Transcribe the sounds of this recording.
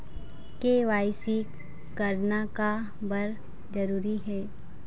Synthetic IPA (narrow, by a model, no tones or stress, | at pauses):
keʋaːɪsi | kɐɾnaka | bɐɾ | d͡ʒɐɾuːɾiɦɛː